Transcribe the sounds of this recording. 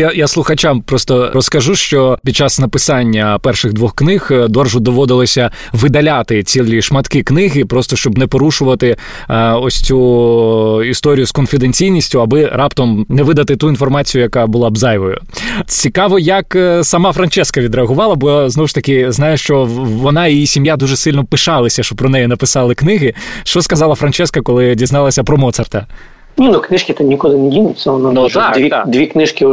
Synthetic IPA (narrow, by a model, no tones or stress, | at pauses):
ajaslˠʊxɐt͡ʃampɾɔst̪ɔɾɔskɐʒuʃt͡ʃɔpʲid̪̚t͡ʃːasnɐpɪsɑnʲːɐpɛrʃɪɣd̪ʋɔxknɪxd̪ɔrʒʊd̪ɔʋɔd̪ɪlˠɔsʲɐ | ʋɪd̪ɐlʲat̪ɪt͡sʲilʲlʲiʃmɐt̪kiknɪɦɪpɾɔst̪ɔʃt͡ʃɔbnɛpɔɾuʃʊʋɐt̪ɪ | ɔsʲt͡sʲu | ist̪ɔɾʲijʊskɔnfʲid̪enʲt͡sʲijnʲisʲtʲʊɐbɪɾʔɑpt̪ɔmnɛʋɪd̪ɐt̪ɪt̪uinfɔrmɑt͡sʲijʊjɐkɑbʊlˠɑbzɑjʋɔjʊ̰t͡sʲikɑʋɔjɐksɐmɑfɾɐnt͡ʃɛskɐʋʲid̪ɾeɐɦʊʋɑlˠɐbɔznɔwʊʃt̪ɐkɪznɑjʊʃt͡ʃɔʋɔnɑiisʲimjad̪uʒesɪlʲnɔpɪʃɑlˠɐsʲɐʃt͡ʃɔpɾɔnɛjɛnɐpɪsɑlˠɪknɪɦɪʃt͡ʃɔskɐzɑlˠɐfɾɐnt͡ʃɛskɐkɔlˠɪdʲiznɑlˠɐsʲɐpɾɔmɔt̪sɐrt̪ɐ | nʲinuknɪʃkʲɪt̪ɛnʲikɔlˠɪnedʲinʲɪsʲɛɔnɔad̪ʲit̪d̪ʲʋʲiknɪʃkʲɪ